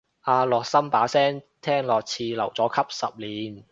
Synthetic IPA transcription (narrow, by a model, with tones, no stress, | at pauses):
ʔaː˧lɔː˨k̚sɐ˥mpaː˨˥sɛː˥ŋ | t̪ʰɛː˥ŋlɔː˨k̚t͡sʰiː˧lɐ̰˨˩wt͡sɔː˨˥kʰɐ˥p̚sɐ̰˨p̚liː˨˩n